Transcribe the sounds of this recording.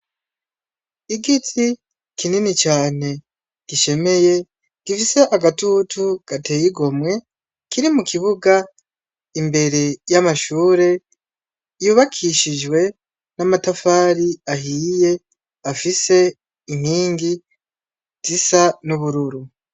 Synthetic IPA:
iɡitʰi | kʰininit͡ʃaːne̞ | ɡ̥iʃe̞me̞je̞ | ɡ̥ifise̞ʔaɡatutʰuɡ̥ate̞jiɡo̞mŋe̞ | kiɾimukʰiβuɡa | imbe̞ɾe̞jamaʃuːɾe̞ | juːβakʰiʃid͡ʒwe̞ | namatafaːɾiaɦiːje̞ | afise̞ː | ŋ̥hiːŋɡi | z̥isanuβuɾuɾu

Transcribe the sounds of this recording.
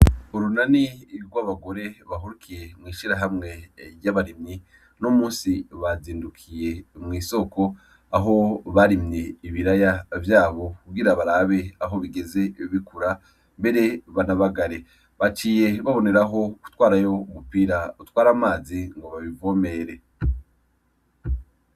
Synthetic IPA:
oɾunaniɾɡwaβaɡo̞ɾe̞βaɦuɾukʰije̞mŋiːʃiɾaɦamŋe̞ɾjaβaɾimɲi | nomuːnsiβaziːndukʰije̞mŋiːso̞ko̞ | aɦo̞βaɾimɲe̞iβiɾajavjaːβo̞kuɡiɾaβaɾaβe̞aɦo̞βiɡe̞ze̞βikuɾa | mbe̞ɾe̞βanaβaɡaɾe̞ | βat͡ʃiːje̞βaβo̞ne̞ɾaɦo̞ku̥twaːɾajo̞umupiːɾautwaːɾamaːziŋɡo̞βaβivo̞me̞ɾe̞

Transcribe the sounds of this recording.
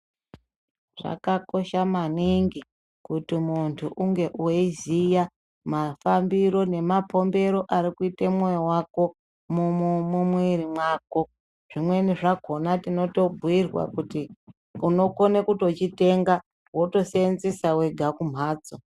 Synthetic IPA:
ʐa̰kako̞ʃamaniŋɡi | kutimuntʰuʔuŋɡe̞ʔuweizija | mafambiɾo̞ne̞mapo̞mbe̞ɾo̞ʔaɾikuitemwojowako̞ | mumumumwirimwaːko̞ | ʐimwe̞niʐaɡʱo̞natino̞to̞bʱuirwa̰kuti | uno̞ko̞nekuto̞t͡ʃite̞ŋɡa | wo̞to̞seenzesawe̞ɡʱakum̤aːd͡zo

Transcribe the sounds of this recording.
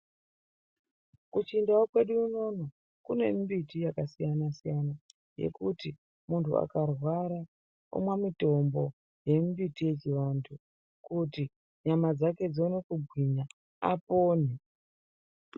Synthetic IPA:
kut͡ʃindawokwe̞ɗuːno̞no̞ | kune̞̰mbitijakasijanasijana | je̞̰kuti | muntʰṵa̰karwaɾa | o̰mwamito̞mbo̞ | je̞mbitije̞t͡ʃiʋantʰu | kuti | ɲamad͡zake̞d͡zone̞kuɡʱwiɲa | a̰po̞ːni

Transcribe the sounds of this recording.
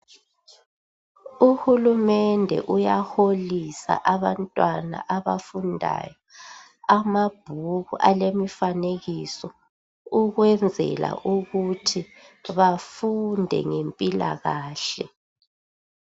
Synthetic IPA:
uhulumɛndʱɛ̰ʔujaxolisa̰ʔaβantʼwana̰ʔaβafundʱa̰jɔ | amab̥ʱuɣuʔalemifaneɣisɔ | uɣwɛnd͡zʱɛ̰la̰ʔuɣutʰiβafundʱɛ̰ŋempʼila̰ɣaːɬɛ

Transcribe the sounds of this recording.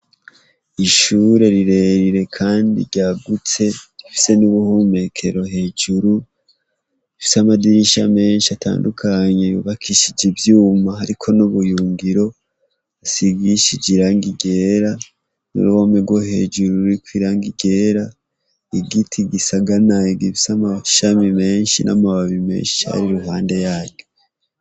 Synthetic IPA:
iʃuɾe̞ɾiɾe̞ɾiɾe̞kʰaːndḭɟaːɡut͡se̞ifi̥se̞nuβuhume̞kʰe̞ɾo̞ɦe̞ːd͡ʒuɾu | ifi̥samadiɾiʃame̞ːnʃiatʰa̰ːndukʰaɲe̞jṵβakʰiʃid͡ʒivjuːmahaɾikʰo̞nuβujuːŋɡiɾo̞ | asiɡiʃid͡ʒiɾaːŋɡiɡe̞ːɾa | nḭɾuwomeɡwoɦe̞̰d͡ʒuɾuikwiɾaːŋɡiɡe̞ːɾa | iɡitʰiɡisaɡanaiɡiβisamaʃamime̞ːnʃinʔa̰maβaβime̞̰ːnʃiha̰ɾiɾuɦaːnde̞jaːɟu

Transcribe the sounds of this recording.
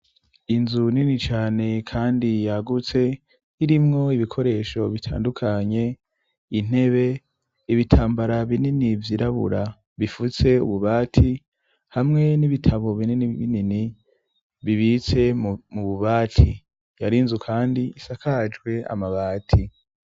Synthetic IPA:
inzuninit͡ʃaːne̞kʰaːndijaɡut͡se̞ | iɾimŋo̞iβikʰo̞ɾe̞ːʃo̞βitʰa̰ːndukʰaɲe̞ | in̥e̞βe̞ | iβitʰaːmbaɾaβininivjiɾʔaβṵɾa | βifut͡se̞ṵβuβaːtʰi | hamŋe̞niβitʰaβo̞βininiβinini | βiβit͡se̞muβuβaːtʰi | jaɾinzukʰaːndiisakʰad͡ʒɡwe̞a̰maβaːtʰi

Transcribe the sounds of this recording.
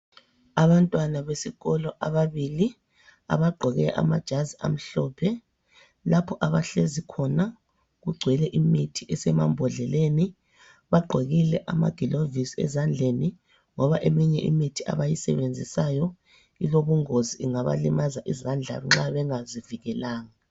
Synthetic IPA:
aβantʼwanaβesiɣɔlɔʔaβaβili | a̰βaɡ͡ǃʱɔɣɛʔa̰mad̥ʒ̥ʱazia̰m̩ɬɔːpʰɛ | lapʰɔʔaβaɬezikʰɔna | ɣuɡ͡ǀʱwɛlɛʔimitʰiʔɛsɛma̰mbʱɔɮɛleni | βaɡ͡ǃʱeɣilɛʔama̰ɡ̥ʱilovisɛ̰zand͡ɮʱeni | ŋɔβaʔemiɲɛʔḭmitʰiʔa̰βajisɛ̰βend͡zʱisajɔ | iloβuŋoziʔiŋaβa̰limazaʔizand͡ɮʱa̰βŋ͡ǁaβɛŋaziviɣɛlaːŋa

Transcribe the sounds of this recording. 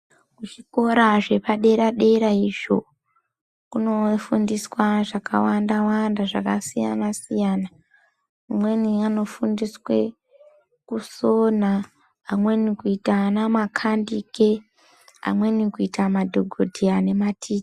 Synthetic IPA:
ut͡ʃiko̞ɾaʐe̞paɗe̞ɾaɗe̞ɾaiʐo̞̰ | kuno̞fundiswaʐaka̰wandawandaʐakasija̰nasijaːna | umweniano̞fundiswe̞ | kuso̞naː | mwe̞nikuitanamakʰandike̞ | a̰mwe̞nikuitamadʱo̞ɡʱodʱiane̞matʰiːti̥

